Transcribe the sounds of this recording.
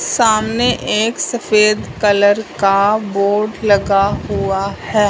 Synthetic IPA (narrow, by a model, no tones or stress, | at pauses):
saːmneʔeːksɐfeːd̪kɐləɾkaboːɾɖlɐɡaɦuahɛː